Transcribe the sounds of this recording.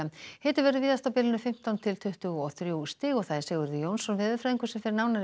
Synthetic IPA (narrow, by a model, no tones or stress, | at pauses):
ahɛːt̪ɪɾvɛɾðʏviːðast̪awpɪːlɪnʏfɪm̥t̪awnt̪ʰɪlt̪ʰʏht̪ʏɣɔθɾjust̪ɪːɣɔɣθaðɛɾ̥sɛːɣʏɾðɪjownsɔnvɛːðʏfɾajðiŋkʏsɛmfɪɾɪɾnaːwnaɾ